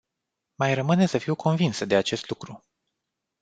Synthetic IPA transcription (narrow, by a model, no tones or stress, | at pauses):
majrəmɨne̞səfiwkʰo̞nvinsəd̪e̞at͡ʃe̞st̪lukɾu